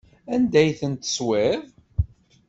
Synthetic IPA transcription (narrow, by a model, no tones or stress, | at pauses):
ænd̪æjθənt̪ə̥swev